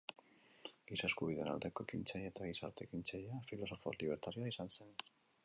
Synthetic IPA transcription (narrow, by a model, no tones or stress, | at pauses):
ɡisaskuβ̞iðe̞̰na̰ld̪e̞ko̞ekint͡ʃajaet̪aɣisa̰ɾt̪e̞kint͡ʃajafilo̞so̞fo̰liβ̞eɾt̪aɾiaisanse̞n